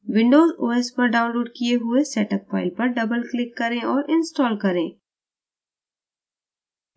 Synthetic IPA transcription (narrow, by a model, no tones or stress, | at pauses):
ʋɪ̃ɳɖoːzoːespɐɾɖaːʊ̃nloːɖkijeɦʊesɛːʈəp̚fa̰ːɪlpɐɾɖɐbəlklɪkːɐɾẽɔːɾʔɪ̃nsʈɔːlkɐɾẽː